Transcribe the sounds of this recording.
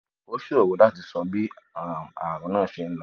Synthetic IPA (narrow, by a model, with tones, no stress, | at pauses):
o˦ʃo˦ɾo˦˨wo˨˦la˦ti˧sɔ̃˧bi˦˨ | a˨ɾ̃ɔ̃˨˦nãː˦˨ʃe˧ñ̩˦la˦˨